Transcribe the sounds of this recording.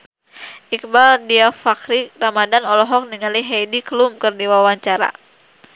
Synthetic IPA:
ʔik̚baldiafakɾiramadanɔlɔɦɔk̚niŋaliɦɛjdiklumkərdiwawaɲt͡ʃaɾa̰

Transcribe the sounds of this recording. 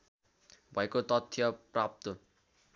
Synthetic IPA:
bʱʌekot̪ʌt̪ʰjʌprap̚t̪o

